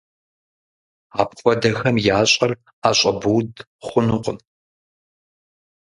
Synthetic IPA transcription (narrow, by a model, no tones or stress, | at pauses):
aːpqʷʼɔdɐxɐmjaːɕʼɐr | aːɕʼɐbuːd | χʷʊnɨqʷʊn